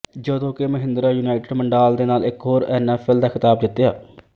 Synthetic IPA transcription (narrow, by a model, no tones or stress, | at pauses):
d͡ʒəd̪õːkeməɦɪ̃nd̪ɾaːjuːnaːɪʈɪɖməɳɖaːld̪eːnaːlɪkɦoːɾɛːnɛːfʰɛːld̪aːkʰɪt̪aːb̚d̪ɪt̪ːjaː